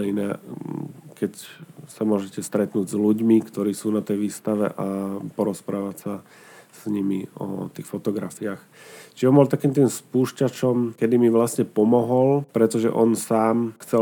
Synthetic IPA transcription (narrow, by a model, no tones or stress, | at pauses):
ɛinɛː | kɛcsamʊɔʒɛcɛst̪ɾɛt̪nuːɟzluɟmikt̪ɔɾiːsuːnat̪ɛjʋiːst̪aʋɛ̰ʔapɔɾɔspɾaːʋacsa | sɲimiɔ̰t̪iːxfɔt̪ɔɡɾafiaːx | t͡ʃiʒɔmbɔlt̪akiːmt̪̬iːmspuːʃcat͡ʃɔmkɛd̪imiʋlasɲɛpɔmɔɦɔlpɾɛt̪ɔʒɛ̰ʔɔnsaːmxt͡sɛ